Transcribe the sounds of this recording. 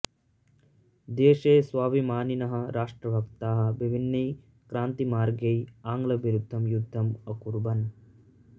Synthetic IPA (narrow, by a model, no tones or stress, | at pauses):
d̪eːʃeːsʋaːʋimaːninɐɦɐ̆ɾaːʂʈɾɐbʱɐkt̪aːɦɐ̆ʋibʱinːɐj | kɾaːnt̪imaːɾɡɐjaːŋɡlɐbiɾud̪ʱːɐmjud̪ʱːɐmɐkuɾbɐn